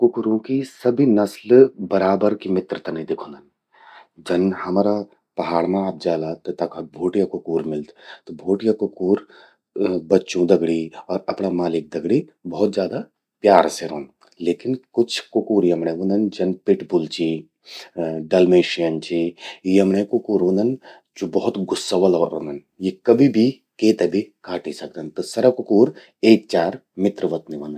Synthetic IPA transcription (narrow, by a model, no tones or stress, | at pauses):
kʊkɾõkisɐbʱinɐslbɐɾaːbəɾkimɪt̪ɾət̪ɐnɐĩd̪ekʰõːnd̪ɐn | d͡ʒɐnhɐmaːɾa | pɐɦaːɽmãaːp̚d͡ʒaːlat̪t̪ɐkabʱoːʈijakʊkuːɾmɪld̪t̪obʱoːʈijakʊkuːɾ | bɐtːʃõd̪ɐɡɽiɔːɾɐpnamaːlɪk̚d̪ɐɡɽi | bɔːt̪d͡ʒjaːd̪a | pjaːɾseɾoːn | leːkɪnkʊt͡ʃʰkʊkuːɾiɐmɳẽʋũnd̪ɐnd͡ʒɐnpɪʈbʊlt͡ʃi | ɖɐlmeːʃijənt͡ʃiiɐmɳẽkʊkuːɾõːnd̪ɐn | d͡ʒobɐɦʊt̪ɡʊsːaʋɐlɔːɾo̰ːnɐn | jekɐbʱibʱi | keːt̪ɐbʱikaːʈisɐk̚d̪ənt̪osɐɾɐkʊkuːɾ | eːk̚t͡ʃaːɾmɪt̪ɾəʋɐt̪niʋɐːn